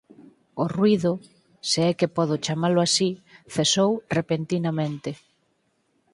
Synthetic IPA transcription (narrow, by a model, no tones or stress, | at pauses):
ʊrwiðʊ | seɛkepɔðʊt͡ʃamalʊasiθesowrepent̪inamẽnt̪ɪ